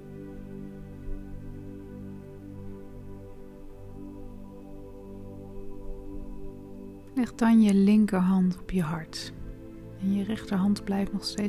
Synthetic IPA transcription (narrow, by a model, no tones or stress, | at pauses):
lɛχdɑnjəlɪŋkəɹɦɑntɔpjəɦɑɹt | ɛnjərɛχtəɹɦɑndblɛjftnɔχstej